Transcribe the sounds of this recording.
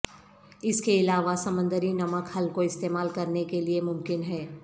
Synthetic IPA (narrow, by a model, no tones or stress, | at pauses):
ɪskeɪlaːʋasɐmə̃nd̪əɾinɐməkhɐlkoɪst̪eːmaːlkɐɾnekeliemʊ̃mkɪnɦɛː